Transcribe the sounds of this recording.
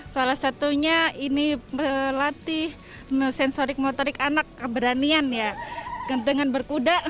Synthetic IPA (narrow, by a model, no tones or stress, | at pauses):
salahsat̪uɲainilat̪ɪh | əsɛnsoɾɪk̚mot̪oɾɪkanakːəbəɾanianjakənt̪əŋanbərkudaʔ